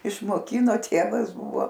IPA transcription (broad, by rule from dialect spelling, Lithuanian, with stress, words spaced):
ɪʃmoːˈkʲɪnoː ˈtʲeːʋɐs ˈbʊʋoː